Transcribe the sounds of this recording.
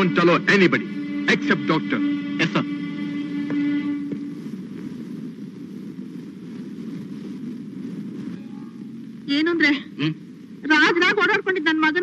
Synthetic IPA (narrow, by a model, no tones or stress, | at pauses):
ɳʈɐloːʔenibɐɖiɐksep̚ʈ̚ɖɔːk̚ʈɐɾesɐm | eːnuɐnd̪ɾeː | ɾaːd͡ʒɐnaːɡoːɽaːɽkoɳɖid̪̚nɐnːɐmɐɡɐn